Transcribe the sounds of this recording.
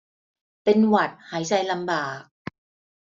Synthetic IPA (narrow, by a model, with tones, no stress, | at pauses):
pe˧nwa˨˩t̪̚haː˩˦jt͡ɕa˧jla˧mbaː˨˩k̚